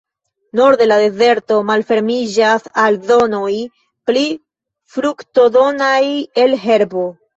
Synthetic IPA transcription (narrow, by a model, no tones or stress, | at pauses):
no̞ɾde̞lade̞ze̞ɾto̞malfe̞ɾmid͡ʒasalzo̞no̞j | pli | fɾukto̞do̞naje̞lɦe̞ɾbo̞